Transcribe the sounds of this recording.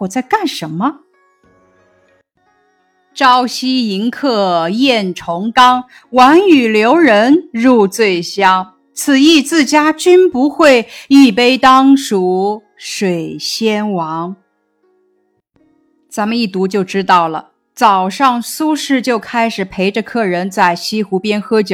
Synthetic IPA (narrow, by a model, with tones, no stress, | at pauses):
wɔ˨˩t͡sa˥˧ɪka˥˩nʂə˧˥nmə˧ | ʈ͡ʂɑ˥ʊɕi˥i˧˥ŋkʰɤ˥˩jɛ˥˩nʈ͡ʂʰʊ˧˥ŋkɑ˥ŋ | wa˧˥ny˨˩ljo˧˥ʊɻə˧˥nɻu˥˧t͡swe˥˩ɪɕjɑ˥ŋ | t͡sʰɹ̩˨˩i˥˧t͡sɹ̩˥˩t͡ɕja˥t͡ɕy˥npu˧˥xwe˥˧ɪi˥˩pe˥ɪt̪ɑ˥ŋʂu˧˥˩ | ʂwe˨˩ɪɕjɛ˥nwɑ˧˥ŋ | t͡sa˧˥nmə˧ni˥˩t̪u˧˥t͡ɕjo˥˩ʊʈ͡ʂɻ̩˥t̪ɑ˥˩ʊlə̰˩ | t͡sɑ˨˩ʊʂɑ˥˩ŋsu˥ʂɻ̩˥˩t͡ɕjo˥˩ʊkʰa˥ɪʂɻ̩˨˩pʰe˧˥ɪʈ͡ʂə˧kʰɤ˥˩ɻə˧˥nt͡sa˥˩ɪɕi˥xu˧˥pjɛ˥nxɤ˥t͡ɕjo˨˦